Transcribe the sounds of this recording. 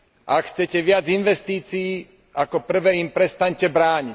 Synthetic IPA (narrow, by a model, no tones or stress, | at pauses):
ʔakxt͡sɛcɛʋɪad͡zinʋɛst̪iːt͡siː | akɔpr̩ʋɛːimpɾɛst̪aɲcɛbɾaːɲi